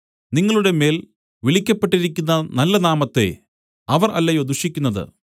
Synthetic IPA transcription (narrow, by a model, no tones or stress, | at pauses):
niŋːɐɭuɽe̞me̞ːl | ʋiɭikʲːɐpːe̞ʈːiɾikʲːunːɐnɐlːɐnaːmɐt̪ːe̞̰ | ɐʋɐrɐ̰lːɐjo̞ːd̪uʂikʲːunːɐðɨ̰